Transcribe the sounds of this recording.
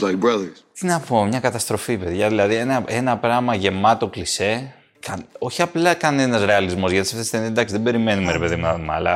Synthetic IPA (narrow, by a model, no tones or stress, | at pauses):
laɪk̚bɹɐðə˞z̥t̪inɐpomɲɐkɐt̪ɐst̪ɾo̞fipe̞ðʝɐðilɐðienɐe̞nɐpɾɐmɐʝe̞mɐt̪o̞klise̞ | kɐno̞çiɐplɐkɐne̞nɐzɾe̞ɐlizmo̞zʝɐt̪isɐft̪esθend̪ɐksðebe̞ɾime̞numeɾepe̞ðimunɐðomɐlɐ